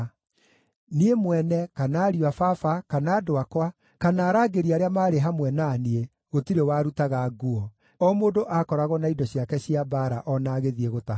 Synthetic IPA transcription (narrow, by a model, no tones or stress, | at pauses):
niemwɛnɛkanaːɾiwafafakanaːdoakwa | kanaːɾaːɡeɾiaɾeamaːɾeɦamwɛnaːnie | ɣotiɾewaɾutaɣaɡuɔ | ɔmoːdoʔakɔɾaɣɔnaidɔɕiakɛɕiabaɾaʔɔnaɣeðieɣota